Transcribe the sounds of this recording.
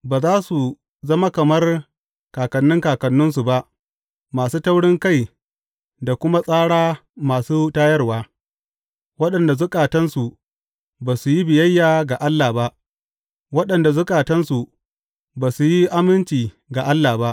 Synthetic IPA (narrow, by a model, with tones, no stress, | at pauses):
baː˨zaː˦su˨ | zɐ˦ma˦kɐ˨mɐ˦r | kaː˨kɐ˨nːʊ˦ŋkaː˨kɐ˨nːʊ˦ns̬u˨ba˦ʔ | maː˨suː˦tɐ˦wɽɪ˦ŋka˦j | da˨kʷʊ˦ma˦sʼaː˦ɽaː˦maː˨suː˦taː˦jɐ˦rwaː˦ | wɐ˦ɗɐ˨nda˨zʊ˦kʼaː˨tɐ˦nsu˨ʔ | baː˨su˨ji˦bɪ˨jɐ˦jːaː˨ɡa˨ʔa˦lːaː˨ba˦ʔ | wɐ˦ɗɐ˨nda˨zʊ˦kʼaː˨tɐ˦nsu˨ | baː˨su˨ji˦ʔa˦mɪ˦nt͡ʃiː˨ | ɡa˨ʔa˦lːaː˨ba˦ʔ